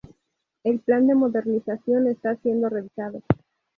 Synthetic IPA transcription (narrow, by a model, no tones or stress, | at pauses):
e̞lpland̪e̞mo̞ðe̞ɾnisasjo̞ne̞st̪asje̞nd̪o̞re̞βisað̞o̞